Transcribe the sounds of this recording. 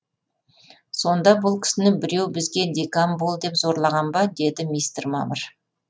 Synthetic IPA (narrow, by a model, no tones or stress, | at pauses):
so̞nd̪ɑbʊlˠkʲʰɪ̥sɪnɪbɪɾe̞wbɪzɡʲe̞d̪ʲekambolˠd̪e̞pzo̞ɾlˠɑʁɑnbɑd̪e̞d̪ɪmijst̪rmɑ̰məɾ